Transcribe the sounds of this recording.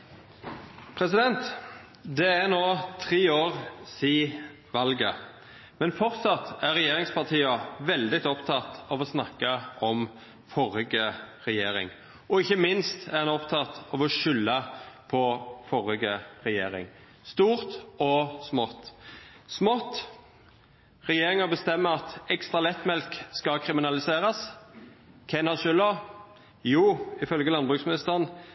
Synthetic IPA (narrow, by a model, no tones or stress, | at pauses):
pʰɾɛs̬ɪd̪ɛnt̪ | d̪ɛæʁnoːt̪ʰʁiːoːʁsiː | ʋɑlɡə | mɛnfɔʁt̪sɑt̪ːæʁɛjeːɾɪŋspʰɑʁt̪ʰiːɑʋɛld̪ɪt̪ɔpt̪ʰɑt̪ɑʋɔsnɑkːɑɔm | fɔɾɪɡəʁɛjeːɾɪ̰ŋ | ʔɔɪçːəmɪnst̪æʁɑnɔpt̪ʰɑt̪ɑʋɔʃʏlːəpʰɔfɔɾɪɡəʁɛjeːɾɪ̰ŋ | st̪uːʁt̪ɔsmɔt̪ːsmɔt̪ː | ʁɛjeːɾɪŋəbəst̪ɛmːəɑt̪ɛkst̪ʁɑlɛt̪ːmɛlkskɑkʰɾɪmɪnɑlɪseːɾɑs | kʰɛnɑʃʏlɔ | juːɪfœlɡəlɑnbʁʉksmɪnɪst̪əʁn